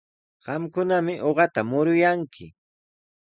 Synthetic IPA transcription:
ɢ̥ɑmkʊnamɪʔoɢɑt̪amʊɾʊjaŋkʰɪ̰

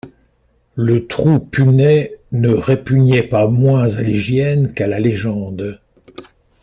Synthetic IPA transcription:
lət̪χupynɛnəʁepyɲɛpamwɛ̃zaliʒjɛnkalaleʒɑ̃d̪

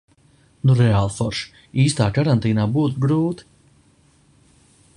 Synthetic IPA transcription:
nuɾɛaːlˠfɔɾʃ | iːst̪aːkaɾant̪iːnaːbuːt̪̬uɡɾuːt̪i̥

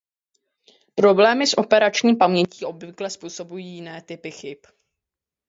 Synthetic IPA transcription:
pɾo̞blɛːmɪsʔo̞pɛɾat͡ʃɲiːmpamɲɛciːʔo̞bvɪklɛspuːso̞bujiːjjɪnɛːt̪ɪpɪxɪp

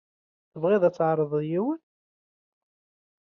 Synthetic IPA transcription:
θəvʁiðˤæt͡sːʕɾˤəðˤəðjiwən

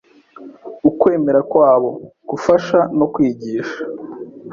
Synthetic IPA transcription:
ukwe̞ːme̞ɾakwaːβo̞ɡ̥ufaʃano̞kwiːɟiːʃḁ

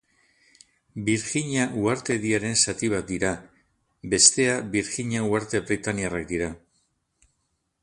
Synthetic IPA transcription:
biɾxiɲaʔuaɾt̪e̞ðiaɾe̞nsat̪iβ̞at̪̚d̪iɾa | be̞st̪e̞aβiɾxiɲauaɾt̪e̞βɾit̪aniarak̚d̪iɾa

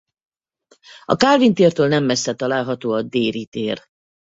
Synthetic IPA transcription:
ɒ̰kaːlvint̪eːrt̪øːlnɛmːɛsːɛt̪ɒlaːlɦɒt̪oːɒd̪eːɾit̪eːr

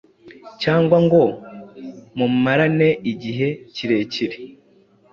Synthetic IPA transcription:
caːŋɡwaŋɡo̞ | mummaɾane̞ʔiɟiɦe̞ciɾe̞ciɾe

